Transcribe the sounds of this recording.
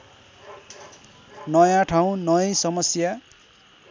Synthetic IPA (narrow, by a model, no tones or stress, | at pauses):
nʌjãʈʰaw̃nʌʌ̃sʌmʌsja